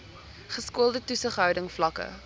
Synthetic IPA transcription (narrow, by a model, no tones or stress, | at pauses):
χəskuəlˠdətusəχɦœwdəŋflɐkə̰